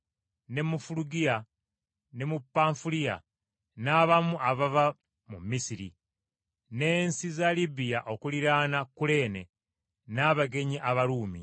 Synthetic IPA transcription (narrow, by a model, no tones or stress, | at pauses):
ne̞mufuluɡija | ne̞mupːaːɱfulia̰ | naβamuʔaβava | mumːisiɾḭ | ne̞ːnsizalibijaʔo̞kuliɾaːnakule̞ːne̞ | naːβaɡe̞ɲiʔaβaɾuːmḭ